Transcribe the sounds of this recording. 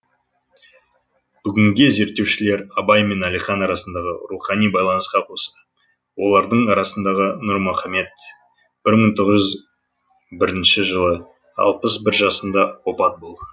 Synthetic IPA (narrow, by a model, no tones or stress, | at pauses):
b̥ʏɡʲɪŋɡʲeze̞ɾt̪ːe̞wʃɪle̞ɾɑbɑjme̞nælijχɑnɑɾɑsənd̪ɑʁəɾuχɑnijbɑjlˠɑnəsqɑqʰost̪ə | wo̞lˠɑɾd̪əɴɑɾɑsənd̪ɑʁənʊɾmʊχɑme̞t̪̚ | b̥ɪɾməɴt̪ʰoʁəʒʏz | bɪɾɪnʃɪʒəlˠə | ɑ̰lˠpəsbɪɾʒɑsənd̪ɑwo̞pɑt̪̚bolˠd̪ə